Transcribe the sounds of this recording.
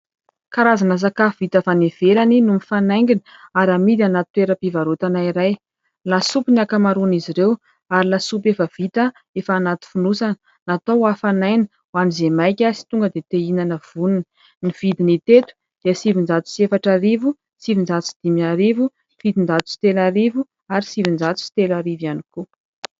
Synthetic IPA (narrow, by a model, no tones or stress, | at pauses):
kaɾazanas̬akavit̪əfanev̥elaninumifanajŋɡinə̥aɾamid̪anat̪ut̪eɾəpivaɾut̪anaiɾaj | lasupiniakamaɾuniziɾew | aɾilasupefəv̥it̪ə | efaaːnat̪u̥funusanə | nat̪owafanajnə̥ | wanizemajkʲasi̥t̪uŋɡəd̪et̪einanəv̥ununə | niv̥id̪init̪et̪u̥ | d̪̥iəsivind͡ʒat͡s̪u̥siefaʈ͡ʂaɾivu | sivind͡ʒat͡s̪usi̥d̪̥imiaɾivu | vid̪ind͡ʒat͡s̪u̥si̥t̪elaɾivu | aɾisivind͡ʒat͡s̪u̥si̥t̪elaɾivjaniku